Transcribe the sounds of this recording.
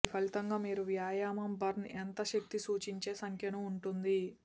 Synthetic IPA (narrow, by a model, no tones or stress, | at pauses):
ipʰɐlit̪ɐŋɡaːmiːɾuʋjaːjaːmɐmbɐɾnent̪ɐʃɐk̚t̪isuːt͡ʃiɲt͡ʃe̞ːsɐŋkʰjɐnɐuɳʈund̪i